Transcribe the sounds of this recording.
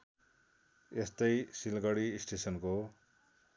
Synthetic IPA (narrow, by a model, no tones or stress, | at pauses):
est̪ʌjsilɡʌɽisʈesʌnko